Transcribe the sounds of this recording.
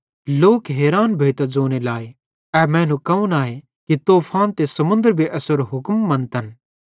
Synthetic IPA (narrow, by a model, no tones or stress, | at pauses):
loːkɦeːɾaːnbʱeːt̪ad͡zoːnelaːe | ɛːmɛ̃ːnũkɐũnaːe | kit̪oːpʰaːnt̪esɐmʊ̃nd̪əɾbʱiʔɐsəɾɦʊkmːɐ̃nt̪ɐn